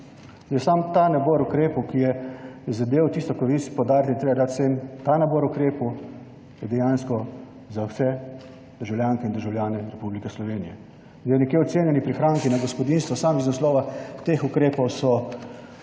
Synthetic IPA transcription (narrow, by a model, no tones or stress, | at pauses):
jɛsamt̪anabɔɾukɾeːpɔwkijɛzad̪eːwt̪ist̪ɔkɔɾʋispɔwd̪aːɾjat̪it̪ɾeːbad̪aːt̪̚sent̪anabɔɾukɾeːpu | jɛd̪ɛjanskɔ | zawsɛ | d̪əɾʒawlʲjaːŋkɛind̪əɾʒawlʲjaːnɛɾɛpublikɛslɔʋeːnijɛ | d̪ajnɛkjeɔt̪seːnjɛnipɾixɾaːŋkinaɡɔspɔd̪inst̪ʋɔsamiznaslɔːʋat̪eːxukɾeːpɔwsɔ